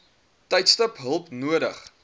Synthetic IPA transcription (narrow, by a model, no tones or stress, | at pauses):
tɛjtstəpɦəlˠpnuəɾəχ